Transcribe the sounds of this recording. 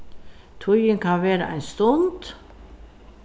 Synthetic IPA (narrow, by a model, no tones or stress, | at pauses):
t̪ʰʊʏənkʰɑnʋeːɾə̰ʔæ̰ɪnst̪ʊnd̪̥